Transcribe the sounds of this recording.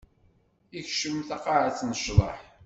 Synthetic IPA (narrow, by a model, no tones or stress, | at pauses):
içʃəmθɑqɑʕat͡sːnəʃðˤɑ̰ħ